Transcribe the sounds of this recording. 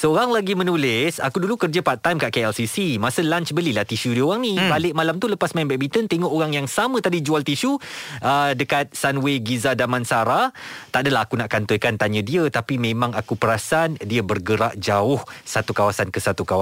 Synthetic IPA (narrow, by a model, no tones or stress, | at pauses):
səoɾaŋlaɡimə̃nulɪsa̰kudulukərd͡ʒəpat̪ːajmkaʔkeɛlsisimasəlant͡ʃbəlilaht̪iʃudioɣaŋnibalɪʔ̚malamt̪uləpasmaimbɛk̚bit̪ənt̪eŋɔʔoɾaŋjaŋsamə̃t̪adid͡ʒualt̪iʃuʔədəkat̪̚sanweɡizadamansaɾat̪aʔdəlaɦakunaʔkant̪ɔjkant̪aɲə̃diət̪apimẽmãŋakupəɾasandiəbərɡəɾaʔd͡ʒaʊhsat̪ukawasankəsat̪ukaw